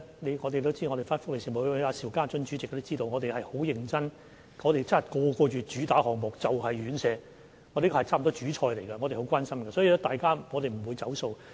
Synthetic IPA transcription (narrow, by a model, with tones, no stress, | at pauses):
ne˨˧jŋɔː˨˧t̪e˨t̪o˥wt͡siː˥ŋɔ˨˧ɾe˨˩faː˥nfʊ˥k̚le˨˩siː˨˩mo˨˩˧aː˧siː˨˩wkaː˥t͡ʃɵ˧nt͡ʃyː˨˥t͡sɪ˨k̚ːt̪o˥t͡siː˥t̪o˧wŋɔː˨˧t̪e˨hɐ˨jho˨˥wjɪ˨˩ŋt͡sɐ˥n | ŋɔː˨˧ɾe˨jt͡sɐ˥nhɐ˨˩jkɔː˧kɔː˧t͡ʃyː˨t͡ʃyː˨˥t̪aː˨˥hɔː˨ŋmʊ˨k̚t͡sɐ˨whɐ˨jɥyː˨˥nsɛː˧ | ŋɔ˧˥te˨˥kʰɔ˧hɐ˨˩t͡sʰaː˥˩m˨t̪ɔː˥t͡ʃyː˨˥t͡ʃʰɔː˧jle˨˩jɡɐ˧ŋɔ˨˧ɾe˨˩ho˨˥wkwaː˥nsɐ˥mɡɐ˧sɔː˨˥iː˨˧lɛ˦˥t̪aː˨jkaː˥ŋɔː˨˧ɾe˨jm̩˨˩wuː˨˧jt͡sɐ˨˥wso˧w